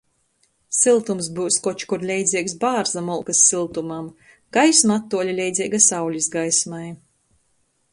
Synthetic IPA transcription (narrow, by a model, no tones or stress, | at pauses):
silˠt̪umsbuːskɔt͡ʃkuɾlʲɛjd̪zʲiɛksbaːɾzamulˠkɨsːilˠt̪umam | ɡ̥ajsmat̪ːuɔlʲilʲɛjd̪zʲiɛɡasawlʲisɡajsmaj